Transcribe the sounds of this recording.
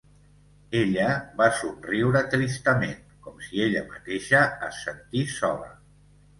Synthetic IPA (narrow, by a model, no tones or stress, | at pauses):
eʎəβasunriwɾət̪ɾist̪əmen | kɔmsieʎəmat̪eʃəːsənt̪isɔlə̰